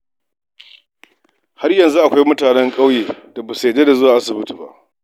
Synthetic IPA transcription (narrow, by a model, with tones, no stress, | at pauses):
ha˦rjɐ˨nzu˦ʔa˨kʷa˦jmʊ˦taː˨nɛ˦ŋkʼa˦wjeː˨d̥a˨ba˨se˨deː˦da˨zʊ˦waː˨ʔa˦sʊ˨bɪ˦tu˨ba̰˦ʔ